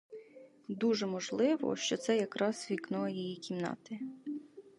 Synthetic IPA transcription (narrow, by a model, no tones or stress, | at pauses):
d̪uʒɛmɔʒlˠɪʋɔ̰ʃt͡ʃɔt̪sɛjɐkɾɑz̥ʋʲiknɔɐjijikʲimnɑ̰t̪ɪ